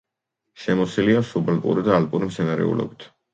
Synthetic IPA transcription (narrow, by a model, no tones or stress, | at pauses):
ʃɛmɔsiliasubɛlpʼṵɾid̪aːlpʼuɾimt̪sʰɛnaɾɛ̰ṵlɔ̰bit̪ʰ